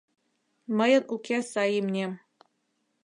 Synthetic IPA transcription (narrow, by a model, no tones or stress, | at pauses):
mɤ̆jɤ̆nʔukʲʰesɑjimnʲe